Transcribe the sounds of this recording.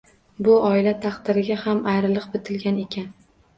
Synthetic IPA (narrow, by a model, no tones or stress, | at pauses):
bʊɒɪlat̪ʰɑqd̪ɪɾɪɡʲahamajɾɪlˠɨq̚bɪt̪ʰɪlɡʲane̞kʲan